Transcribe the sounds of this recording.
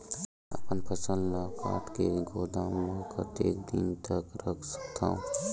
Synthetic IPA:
ɐpənpʰəsənd̪laːka̰ːʈkeɡʱoːd̪aːmmə̃kʰə̰t̪eːkd̪int̪əkɾɐkʰsə̥k̚t̪ʰa̰ːũ

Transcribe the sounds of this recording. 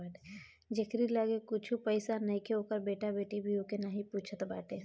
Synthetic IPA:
d͡ʒekɾiləɡekʊt͡ʃʰupəɪsanəĩkeoːkəɾbeːʈabeːʈibʱiokenaɦĩpuːt͡ʃʰət̪baːʈe

